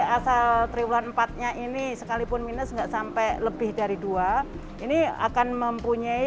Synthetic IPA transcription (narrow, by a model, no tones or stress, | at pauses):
asalt̪ɾibulanmpat̪̚ɲaʔinisəkalipʊnminəsŋɡaʔsampɛləbɪhdaɾidua | ʔinia̰kanməmpuɲai